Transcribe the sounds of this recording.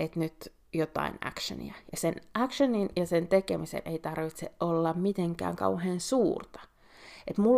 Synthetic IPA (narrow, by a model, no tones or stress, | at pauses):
et̪nyt̪ | jot̪ɑ̰inæ̰kʃø̰nḭæjɑsenʔækʃəninjɑsent̪ekemisḛnʔeit̪ɑrʋit̪seʔʔolːɑmmit̪eŋkæ̰ːŋkɑ̰uheːnsuːrt̪ɑ̥ | et̪mul